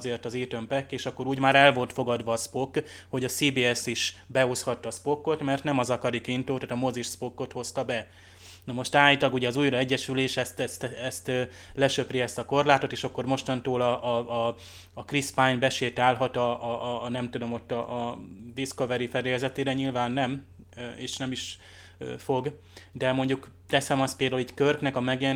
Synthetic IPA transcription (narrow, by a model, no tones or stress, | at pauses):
zeːrt̪ɒzeːt̪ømpɛkːeːʃɒkːo̞ɾuːɟmaːɾɛlvo̞lt̪fo̞ɡɒd̪ʋɒːspo̞kːho̞ɟɒsiːbiːɛsiʃbɛo̞shɒt̪ːɒspo̞kːo̞t̪mɛrt̪nɛmɒzɒkɒɾikint̪oːt̪aːt̪ɒmoziʃspokːo̞t̪ho̞st̪ɒbɛ | nɒmo̞ʃt̪aːjt̪ɒɡuɟɛɒzuːjrɒɛɟːɛʃyleːʃɛst̪ɛst̪ɛst̪ː | lɛʃø̞priɛst̪ɒko̞rlaːt̪o̞t̪eːʃɒkːo̞rmo̞ʃt̪ɒnt̪oːlɒʔː | krispajnbɛʃeːt̪aːlɦɒt̪ɒʔnɛmt̪ud̪o̞mot̪ːɒʔːd̪iskovɛɾifɛɾejɛzɛt̪eːɾɛɲilvaːnːɛm | eːʃnɛmiʃ | fo̞ɡ | d̪ɛmo̞ɲɟuk | t̪ɛsɛmɒst̪peld̪auliːckørknɛkɒmɛɡjɛn